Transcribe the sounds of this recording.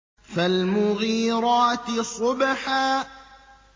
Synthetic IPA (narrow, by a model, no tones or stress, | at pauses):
falmʊɣiːɾɑːt̪sˤʊbaħaː